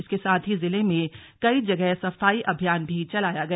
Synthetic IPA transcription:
ɪskesaːt̪ʰɦizɪlemẽkɐid͡ʒɐɡɛɦsɐfaːiʔɐbʱjaːnbʱit͡ʃɐlaːjaɡɐ

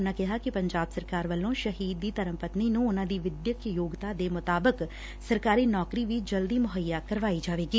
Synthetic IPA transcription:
nãːkɪɦaːkɪpəɲd͡ʒaːbsəɾkaːɾʋəlːõːʃəɦiːd̪̚ːiːt̪əɾə̃mpət̪niːnũːʊnãːd̪iːʋɪd̪jəkjjoːɡt̪aːd̪eːmʊt̪aːbək | səɾkaːɾiːnɔːkɾiːʋiːd͡ʒəld̪iːmʊɦəjːaːkəɾʋaːiːd͡ʒaːʋeːɡiː

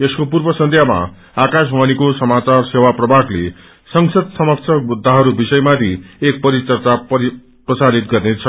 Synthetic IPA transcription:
eskopurbʌsʌnt̪ʰjama̰ | akas̬mʱʌnikosʌmat͡sarsewaprʌbʱakle | sʌŋsʌd̪̚sʌmʌk̚t͡sʰʌmud̪ʱːaɦʌɾubisʌjmat̪ʰiek̚pʌɾit͡sʌrt͡sapʌ | prʌsaɾit̪̚ɡʌrnet͡sʰʌ

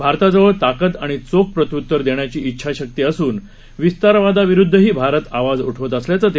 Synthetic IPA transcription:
bʱaɾt̪ad͡zəʋəɾt̪akət̪aɽ̃it͡sok̚pɾət̪jut̪ːəɾd̪eɳjat͡ɕiːitːɕʰaɕək̚t̪iːəsuːn | ʋist̪aɾʋad̪aʋiɾud̪ʱːəɦiːbʱaɾət̪aʋad͡zuʈʰʋət̪̬əsljat͡sət̪

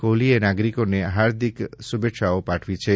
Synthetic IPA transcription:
kolienaɡɾikoneɦaɾd̪ʱiksubeʈʃaopaʈʰʋit͡ʃʰe

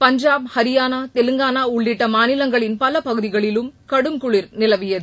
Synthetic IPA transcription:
pɐɲd͡ʒaːb̚hɐɾɪjaːnaːt̪ɛlɯŋɡaːnaːʊɭːɪʈːɐmaːnɪlɐŋɡɐɭɪnpɐlɐpɐɣɯðɪɣɐɭɪlɯmkɐɽɯmkʊɭɪɾnɪlɐʋɪjɐðɯ

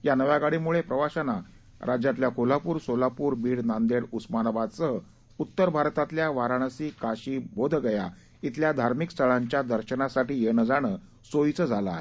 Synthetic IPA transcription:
janəʋjaɡaɽimuɭepɾəʋaɕana | ɾad͡ʑjat̪ljakolapuːɾsolapuːɾbiːɽnãnd̪eɽusmanabad̪t͡sə | ut̪ːəɾbʱaɾt̪at̪ljaʋaɾaɽ̃əsiːkaɕiːbʱod̪ʱɡəja | it̪ljad̪ʱaɾmikst̪ʰəɭaɲt͡ɕjad̪əɾɕənasaʈiːjeɽ̃əd͡zaɽ̃əː | sojt͡səd͡zʱalaːe

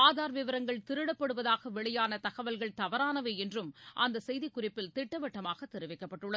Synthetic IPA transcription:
aːðaːɾʋɪʋɐɾɐŋɡɐɭt̪ɪɾɯɽɐpːɐɽɯʋɐðaːɣɐʋɛɭɐjaːnɐt̪ɐɣɐʋɐlɣɐɭt̪ɐʋɐɾaːnɐʋeːɛndrɯmʔɐ̰nd̪ɐsɛjðikːʊrɪpːɪlt̪ɪʈːɐʋɐʈːɐmaːɣɐt̪ːɪɾɯʋɐɪkːɐpːɐʈːɯɭɐð

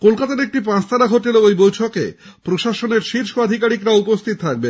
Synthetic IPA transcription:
kolkat̪aɾek̚ʈipãst̪ʰaɾaɡʱoʈeleejbojʈʰoke | pɾoʃaʃoneɾʃiɾʃoad̪ʱikaɾikɾaupost̪ʰit̪t̪ʰak̚be

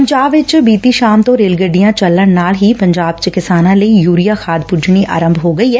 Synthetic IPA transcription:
əɲd͡ʒaːbʋɪt͡ʃbiːt̪iʃaːmt̪õːɾeːlɡəɖijãːt͡ʃɐlːənnaːlɦipɐ̃ɲd͡ʒaːb̚t͡ʃkɪsaːnãːləijuːɾijaːxʰaːd̪pʊɾd͡ʒniʔa̰ːɾə̃mbʱɦoːɡəiɦɛː

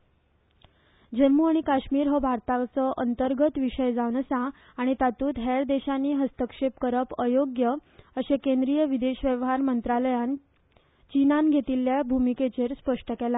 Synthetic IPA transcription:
d͡ʑemːuaɽ̃ikaɕmiːɾɦɔbʱaɾt̪at͡sɔʔənt̪əɾɡət̪ʋiʂəjd͡zaʋnəsã | aɽ̃it̪at̪uːt̪ɦeɾd̪eɕanːiːɦəst̪əkʂep̚kəɾəpəjoɡjəəɕekend̪ɾijəʋid̪eɕʋjəʋɦaɾmənt̪ɾaləjan | t͡ɕinanɡʱet̪iːlːjabʱumiket͡ɕeɾspəʂʈəkela

